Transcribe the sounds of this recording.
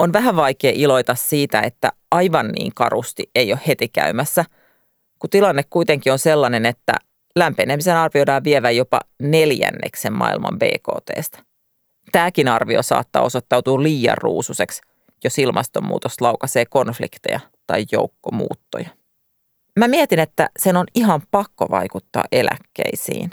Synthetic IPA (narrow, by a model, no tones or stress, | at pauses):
onʋæɦæʋʋɑjkeːʔilo̞it̪ɑssiːt̪æet̪ːæ̰ɑjʋɑnːḭːŋkɑ̰rust̪iʔe̞jo̞hhe̞t̪ikæ̰ymæsːæ | kut̪ilɑnːekkuit̪eŋkionselːɑnenet̪ːæ̰ | læmpenemisenɑrʋiojdɑːʋʋieʋæjopɑ̰neljæ̰nːḛksemmʔɑ̰ḭlmɑ̰mbe̞̰ːko̰ːt̪ḛːst̪ɑ̥ | t̪æːkinɑrʋiosɑ̰ːt̪ːɑ̰ːo̞sot̪ːɑwt̪uːliːjɑ̰rːṵːsuseks | josilmɑst̪omːṵːt̪oslɑwkɑseːko̞nflḭkt̪ejɑ | t̪ɑijjo̰ukːomṵːt̪ːojɑ | mæmiet̪inet̪ːæ̰senoniɦɑmpɑkːoʋɑ̰jkut̪ːɑ̰ːʔe̞læ̰kːḛisḭːn